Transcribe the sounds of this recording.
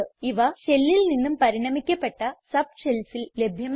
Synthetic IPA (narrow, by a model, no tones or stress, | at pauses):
iʋɐɕe̞lːilninːumpɐɾiɳɐmikʲːɐpːeʈːɐsɐb̚ɕelsille̞bʱjɐm